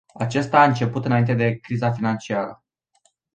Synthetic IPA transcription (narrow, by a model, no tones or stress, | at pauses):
at͡ʃe̞st̪aːɨnt͡ʃe̞put̪ɨnaint̪e̞d̪e̞kɾizafinant͡ʃiaɾə